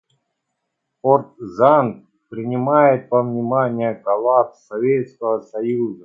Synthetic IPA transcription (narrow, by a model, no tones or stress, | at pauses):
port̪zan | pɾʲɪnʲɪmajɪt̪̚pəvnʲɪmanʲɪjəkɐlˠat̪sɐvʲet̪skəvəsɐjuzə